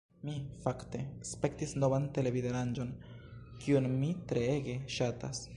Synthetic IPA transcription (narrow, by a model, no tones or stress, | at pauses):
mifakte̞spe̞ktisno̞vante̞le̞videɾand͡ʒo̞n | kʰiunmitɾe̞e̞ɡe̞ʃata̰s